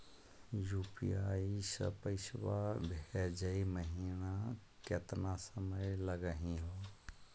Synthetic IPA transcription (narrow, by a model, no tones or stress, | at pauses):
juːpḭjaːisə̰pəɪʃwabʱd͡ʒəiməɦina | ket̪nasəməjləɡəɦĩɦo